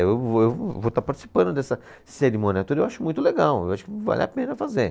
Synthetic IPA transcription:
wewvot̪aɾpaɾt͡ʃi̥si̥pɐ̃nd̪ʊd̪ɛsɐ | seɾimõniat̪ud̪ɐewaʃʊmũj̃t̪ʊleɡawḛwaʃʊ̥kɪva̰lʲʔɪa̰pẽnɐfaze

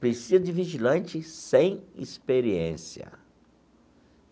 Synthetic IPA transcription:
pɾesizɐd͡ʒɪviʒilɐ̃nt͡ʃɪsẽj̃ispeɾiḛ̃siɐ̰

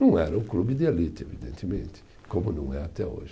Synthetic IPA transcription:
nɐ̃w̃ɛɾɐʊklubɪd̪ɪelit̪ɪḛvid̪ḛ̃nt̪ɪmẽnt̪ɪ̥ | kõmʊnɐ̃w̃ɛat̪ɛo̰ʒɪ

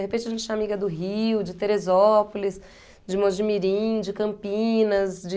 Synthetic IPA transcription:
ehepẽt͡ʃɪaɐʒẽt͡ʃẽamiɡɐd̪ʊɦiwd͡ʒɪt̪eɾezɔpolis | d͡ʒɪmõd͡ʒɪmiɾĩd͡ʒɪkɐ̃mpĩnɐsd͡ʒɪ

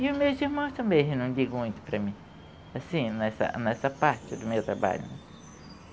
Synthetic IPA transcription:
ɪʊzmewziɾmɐ̃w̃st̪ɐ̃bẽj̃enɐ̃w̃d͡ʒiɡʊmũj̃t̪ʊ̥pɾɐmĩ | asĩnɛsɐ̰nɛsɐpaɾt͡ʃɪd̪ʊmewt̪ɾaba̰ʎʊ̰nɛ

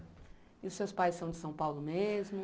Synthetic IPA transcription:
iʊsːewspajssːɐ̃w̃d͡ʒɪsɐ̃w̃pawlʊmezmʊ

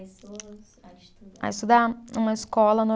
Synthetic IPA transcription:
a̰ist̪ud̪aũmɐiskɔlɐno

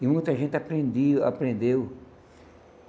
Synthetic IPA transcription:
ɪmũj̃t̪ɐʒẽnt̪ɪapɾẽnd̪ia̰pɾẽnd̪ew

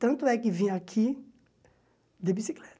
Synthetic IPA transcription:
t̪ɐ̃nt̪ʊɛkɪvĩjakʰi | d̪ebisiklɛt̪

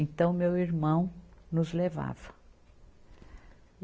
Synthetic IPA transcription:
ẽt̪ɐ̃w̃mewiɾmɐ̃w̃nʊzleva̰vɐ

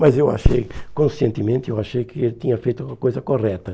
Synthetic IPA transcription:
mɐzewa̰ʃḛjkõsiẽnt̪ɪmẽnt̪ɪewaʃejkɪelɪt̪ĩɲɐfejt̪uuɐkojzɐkoʁɛt̪ɐ

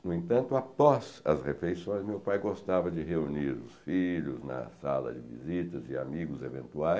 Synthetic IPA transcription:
nʊẽt̪ɐ̃nt̪ʊapɔzɐ̰sheflejsõj̃zmewpajɡost̪avɐd͡ʒɪɦeuniɾʊsfiʎʊznɐ̰salɐ̰d͡ʒɪ̰vḭzit̪ɐzɪa̰miɡʊzevḛ̃nt̪uaj

